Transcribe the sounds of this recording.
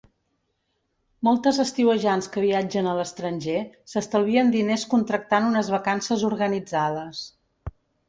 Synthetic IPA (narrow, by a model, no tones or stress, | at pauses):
mɔlˠt̪əzəst̪iwəʒanskəβ̞iad͡ʒənələst̪ɾənʲʒesəst̪əlˠβiənd̪ineskunt̪ɾək̚t̪anunəzβəkansəzuɾɣənid͡zaðəs